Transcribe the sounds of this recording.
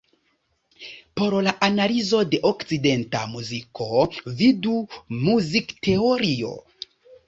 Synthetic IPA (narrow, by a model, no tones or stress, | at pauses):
po̞ɾlaʔanalizo̞de̞ʔokt͡side̞nta̰muzikʰo̞vidumuzikte̞oɾio̞̰